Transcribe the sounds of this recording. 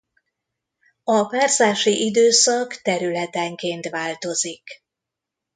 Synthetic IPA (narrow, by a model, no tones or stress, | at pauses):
ɒpaːrzaːʃiʔid̪øːsɒkt̪ɛɾylɛt̪ɛŋkeːnt̪ʋaːlt̪o̞zik